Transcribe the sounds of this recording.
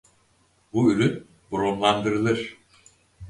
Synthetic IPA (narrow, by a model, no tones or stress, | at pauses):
buyɾyn | buɾonlˠand̪ɯɾɯlˠɯɾ̥